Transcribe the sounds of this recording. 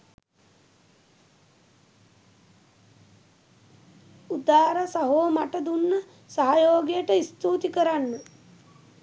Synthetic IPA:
ud̪aːɾəsaɦoːmaʈəd̪unːə | saɦajoːɡijəʈəist̪uːt̪ikəɾanːə

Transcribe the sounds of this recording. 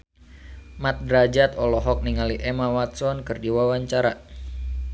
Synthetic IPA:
mat̪̚dɾad͡ʒat̪ɔlɔɦɔk̚niŋaliʔɛmawat̪̚sɔnkɨrdiwawaɲt͡ʃaɾa

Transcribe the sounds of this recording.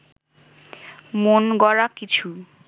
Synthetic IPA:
monɡɔɾakit͡ɕʰu

